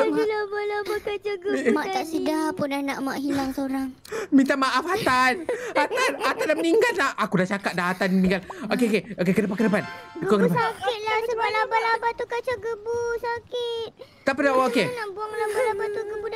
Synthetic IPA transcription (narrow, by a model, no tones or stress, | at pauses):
milabalabakat͡ʃaɡəmaʔt̪aʔsədapʊnanaʔmaʔɦilaŋsoɾaŋ | mĩnt̪amaʔafat̪anat̪anat̪andaməniŋɡallahʔakudaht͡ʃakat̪̚daɦat̪anəniŋɡalokeokeokekədəpankədəpanɡkokədpasakɪt̪̚lasəbalabalabat̪ukat͡ʃaɡəbusakɪt̪̚ | t̪apidaokenabuaŋlabalabat̪uɡəbu